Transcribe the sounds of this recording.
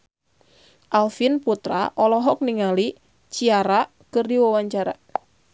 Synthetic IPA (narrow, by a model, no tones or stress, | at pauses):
ʔalfinput̪ɾa̰ʔɔlɔɦɔk̚niŋali | t͡ʃiaɾa | kɨrdiwawaɲt͡ʃaɾa̰